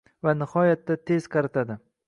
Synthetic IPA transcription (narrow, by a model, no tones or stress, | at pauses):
vanɪhɒjat̪ːat̪ʰez̥qʰɑɾɪt̪ʰad̪ɪ